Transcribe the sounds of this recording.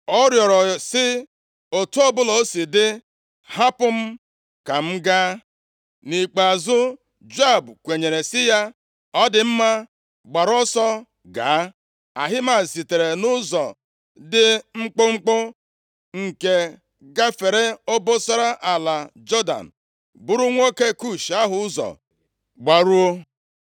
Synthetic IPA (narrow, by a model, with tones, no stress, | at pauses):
ɔ˦ɾjɔ˨ɾɔ˨sɪ˦ | o˨tu˦ɔ˦bʊ˦lo˦si˨dɪ˦ | ha˦pʊ˦m̩˦ | ka˨m̩˦ɡa˦ | ni˨k͡pa˨zʊ˦ | d͡ʒa˦˨bkʷe˨ɲe˨ɾe˨sɪ˦ja˦ | ɔ˦dɪ˨m̩˦ma˦ | ɡ͡ba˨ɾɔ˦sɔ˦ | ɡa̰ː˨˦ | a̰˨ɦɪ˦ma˨si˨te˨ɾe˨nʊ˦zɔ˨ | dɪ˦ŋ͡m̩˦k͡pʊ˦ŋ͡m̩˦k͡pʊ˦ | ŋ̩˨ke˨ | ɡa˦fe˨ɾe˦o˦bo˦sa˦ɾa˦ʔa˨la˨d͡ʒɔ˦da̰˨n̩˨ | bʊ˦ɾu˦ŋʷo˦ke˦ku˦˨ʃa˦ɦʊ˦zɔ̰˨ | ɡ͡ba˨ɾu˦o˦